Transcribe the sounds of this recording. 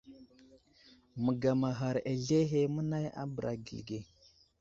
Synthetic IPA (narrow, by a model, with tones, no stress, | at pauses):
mə˨ɡa˨ma˨ɦa˨ɾe˨ɮe˦ɦe˦mə˦na˦ja̰˦bə˨ɾʔa˨ɡḭ˨lɡe˨